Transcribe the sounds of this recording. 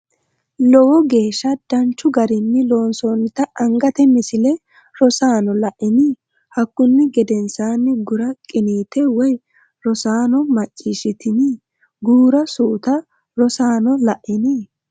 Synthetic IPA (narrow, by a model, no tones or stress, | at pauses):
lɔwɔɡe̞ːʃːɐd̪̥ɐnt͡ʃːʊɡɐɾɪnːɪlo̞ːnsoːnːɪt̪ɐɐŋɡɐt̪ɛmɪsɪlɛ | ɾɔsaːnɔlɐʔɪni | hɐkːʊnːɪɡɛd̪ɛnsaːnːɪɡʊɾɐkʼɪniːt̪ɛwɔj | ɾɔsaːnɔmɐt͡ʃʼːiːʃɪt̪ɪni | ɡuːɾɐsuːt̪ɐ | ɾɔsaːnɔlɐʔɪni